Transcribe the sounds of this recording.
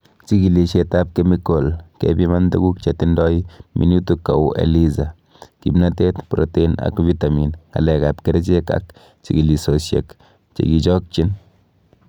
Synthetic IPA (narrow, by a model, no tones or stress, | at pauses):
t͡ʃikiliʃetap̚kemikolkḛbimandeɡuk̚t͡ʃet̪indɔjimʔḭnutukːa̰wḛliza | kḭbnatet̪pɾotena̰kvitaminŋɡa̰lɛkapkeɾɛt͡ʃeka̰k | t͡ʃiɡilisosjḛk | t͡ʃḛɡit͡ʃɔk̚t͡ʃin